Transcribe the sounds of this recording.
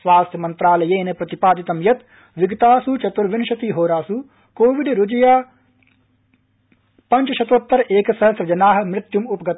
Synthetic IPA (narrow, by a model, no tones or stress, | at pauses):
sʋaːst̪ʰjɐmɐnt̪ɾaːlɐjeːnepɾɐt̪ipaːd̪it̪ɐmjɐt̪ | ʋiɡɐt̪aːsut͡ʃɐt̪ʋɐɾʋinʃɐt̪iɦoːɾaːsu | koːʋiɖɾud͡ʒɐjaː | pɐɲt͡ʃɐʃɐt̪ʋɐt̪ːɐɾʔeːkɐsɐɦɐsɾɐd͡ʒɐnaːɦɐ̆mɾɪt̪jumupɐɡɐt̪